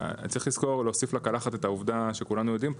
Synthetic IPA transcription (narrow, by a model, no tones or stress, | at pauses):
t͡sʁiχliz̥ko̞ʁleosiflakalaχat̪e̞t̪auvd̪aʃe̞kulanujo̞d̪im